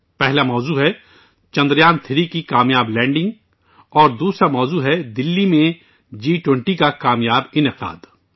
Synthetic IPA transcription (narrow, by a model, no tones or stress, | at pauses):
pɛɦlamɔːzuːɦɛ | t͡ʃɐ̃nd̪ɾjaːnt̪ʰɪɾikikaːmjaːblɛ̃ːɳɖɪ̃ŋɡ | ɔːɾd̪uːsɾamɔːzuːɦɛd̪ɪlːimẽ | d͡ʒiːʈwɪ̃ɳʈikakaːmjaːbɪnɪqa̰ːd̪